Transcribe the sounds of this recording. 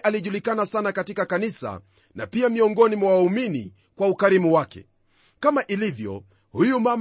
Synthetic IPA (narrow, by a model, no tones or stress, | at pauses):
ʔaliʄulikanasanakatikakanisa̰ | na̰piamiɔŋɡɔnimwawaumini | kwaukaɾimuwakɛ̰ | kamaʔilivjɔ̰ | hujumam